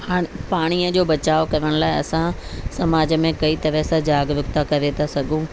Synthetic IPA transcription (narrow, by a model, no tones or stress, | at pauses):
ɦaːepaːɽ̃iəd͡ʑoːbɐt͡ɕaːokɐʋəɽ̃laːɪɐ̰sãsɐmaːd͡ʑəmẽkɐit̪ɐɾɛsad͡ʑaːɡʋʊkt̪akɐʋet̪ʰasɐɡʱũː